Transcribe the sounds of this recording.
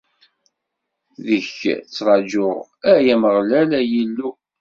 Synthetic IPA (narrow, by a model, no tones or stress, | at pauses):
ðəçt͡sːɾˤɑd͡ʒʊʁ | æjæməʁlælæjilːu